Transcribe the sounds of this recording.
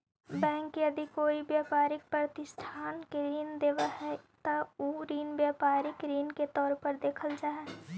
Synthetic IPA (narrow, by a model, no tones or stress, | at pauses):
bɛ̃ːŋkːeɐd̪ʱikoːibjaːpaːɾɪk̚pɾət̪ɪsʈʰaːnkeɾiːnd̪eːʋahɛt̪auɾiːnbjaːpaːɾɪkɾiːnket̪ɔːɾpəɾd̪eːkʰəld͡ʒaːɛ